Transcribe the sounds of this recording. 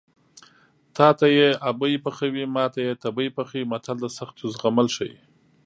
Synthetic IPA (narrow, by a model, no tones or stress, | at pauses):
t̪ɑt̪ajeabəjpaxawimɑt̪ajet̪abəjpaxawimat̪ʰald̪əsaxt̪ozɣamalʃaj